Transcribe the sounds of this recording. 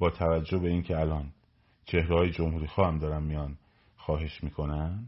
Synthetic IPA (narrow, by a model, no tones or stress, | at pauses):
bɒːt̪ʰævæd͡ʒːo̞hbe̞iːncʰeælɒːn | t͡ʃʰe̞hɾehɒːjed͡ʒo̞mhuːɾiːxɒːhæmd̪ɒːɾænmijɒn | xɒːɦe̞ʃmiːkʰo̞næn